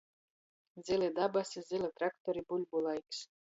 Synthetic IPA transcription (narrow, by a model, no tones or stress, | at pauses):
zeled̪ɑbɑsʲezʲelʲet̪rakt̪oɾʲibulʲbulˠɑjks